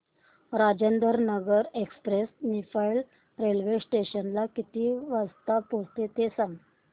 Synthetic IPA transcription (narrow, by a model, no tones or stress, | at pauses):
ɾad͡ʑənd̪əɾnəɡəɾekspɾesnifajl | ɾelʋesʈeɕənlakit̪iːʋast̪apost̪et̪esãŋ